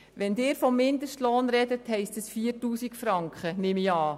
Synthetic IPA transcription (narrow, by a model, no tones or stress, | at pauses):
ʋɛndɪːɾfɔmːɪndəʃtloːnɾɛdəthɛɪstəsfiːərtuːsikfɾɑŋkχənɪmiɑː